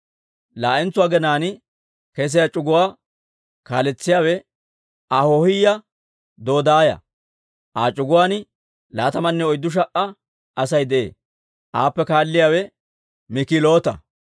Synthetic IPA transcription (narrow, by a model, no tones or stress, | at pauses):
laːʔɛnt͡sːʊwaːɡɛnaːnɪ | kɛs̬ɪjat͡ʃʼʊɡʊwaː | kaːlɛt͡sːɪjaːwɛ | ʔahohɪjːɐ | d̪o̞ːd̪aːjɐ̰ | ʔaːt͡ʃʼʊɡʊwaːn | laːt̪ɐmɐnːɛɔjd̪ːʊʃ̬ɐʔːɐ | ʔɐsɐjd̪ɛʔḛː | ʔa̰ːpːɛkaːlːɪjaːwɛ | mɪkɪlo̞ːt̪ɐ